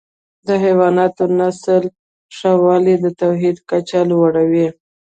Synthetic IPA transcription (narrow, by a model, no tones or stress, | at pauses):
d̪əɦawɑnɑt̪onasəl | ʂɑwɑlid̪ət̪awɦid̪kat͡ʃalwaɽawi